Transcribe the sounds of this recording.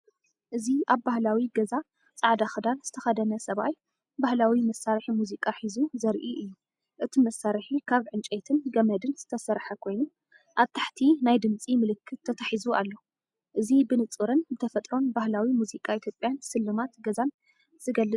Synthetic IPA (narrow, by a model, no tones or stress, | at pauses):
ʔɨziʔaβbahlawiɡɐza | t͡sʼaʕd̪axɨd̪anz̥ɨt̪ʰɐxɐd̪ɐnɐsɐβaj | bahlawimɐsːaɾħimuzikʼaħizuzɐɾʔiʔɨjːu | ʔɨt̪ʰimɐsːaɾħikʰaβʕɨnt͡ʃʼet̪ʰɨnɡɐmɐd̪ɨnz̥ɨt̪ʰɐsɐɾħɐkʰo̞jnu | ʔaβt̪ʰḁħt̪ʰinajd̪ɨmt͡sʼimɨlɨkʰːɨt̪ʰːɐt̪ʰaħizualːo̞ | ʔɨzibɨnɨt͡sʼɨɾɨnbɨt̪ʰɐfɐt̪ʼɾo̞nbahlawimuzikʼait̪ʰjopʼːjansɨlːɨmat̪ɡɐzan | z̥ɨɡɐlːɨt͡sʼ